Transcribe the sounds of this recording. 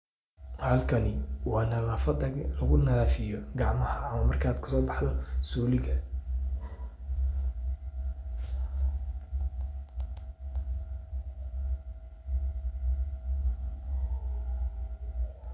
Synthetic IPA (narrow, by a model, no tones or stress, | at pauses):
halkʰɐnɪwɑːnɐlɐfɐd̪ɐɡlɐɣʊnɐlafɪjɔɡɑʕmɐhɐːmɐmɐrkʰaːd̪kʰɐ̥sɔːbɑħd̪ɔsuːlɪɡɐ